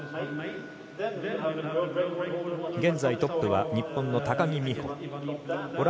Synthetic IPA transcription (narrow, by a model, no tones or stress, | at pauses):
ɡẽ̞nd͡zait̪o̞pːɯ̟βaɲ̟ipːõ̞nːo̞t̪akaɲʲimʲihõ̰ | oɾ